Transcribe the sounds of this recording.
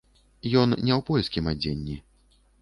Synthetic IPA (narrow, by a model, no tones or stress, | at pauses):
jɔnnʲɛwpɔjskʲimad͡zʲenʲːi